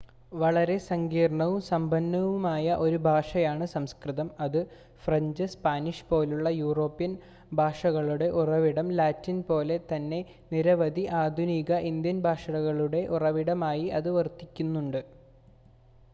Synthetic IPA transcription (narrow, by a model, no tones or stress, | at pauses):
ʋɐɭɐɾe̞sɐŋɡiːrɐɳɐʋumsɐmbʱɐnːɐʋumaːjɐʔo̞ɾubʱaːʂɐjaːɳɨsɐmskrɨðɐmɐðɨ | frɐɲd͡ʑɨspaːniʂpo̞ːluɭːɐjuːro̞ːpːijɐn | bʱaːʂɐɣɐɭuɽe̞ʔurɐʋiɽɐmlaːtːinpo̞ːle̞t̪ɐnːe̞ | niɾɐʋɐd̪ʱiʔaːd̪ʱuniːɣɐʔind̪jɐnbʱaːʂɐɽɐɣɐɭuɽe̞ʔurɐʋiɽɐmaːjiɐðɨʋɐrt̪ːikʲːunːuɳɖɨ